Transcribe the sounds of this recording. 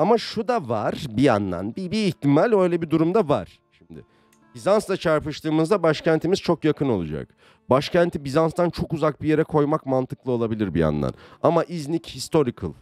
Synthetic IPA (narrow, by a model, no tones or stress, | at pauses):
amaʃud̪avaɾ̥bija̰nd̪a̰nbibiːçt̪ʰimalʲø̞jlʲɛbid̪uɾumd̪avaɾ̥ | ʃimd̪ɪ̰ | bizanst̪at͡ʃʰaɾpɯʃt̪ʰˠɯːmɯzd̪abaʃcænt̪ʰimiz̥t͡ʃʰo̞kjakʰɯno̞̰lˠud͡ʒa̰k | baʃcʰænt̪ʰibizanst̪ʰant͡ʃʰo̞kuzak̚bije̞ɾɛkʰo̞jmakmant̪ʰɯklˠɯo̞lˠabilʲiɾbḭa̰nd̪a̰namaʔiznichist̪ʰo̞ɾikʰɯ̰lˠ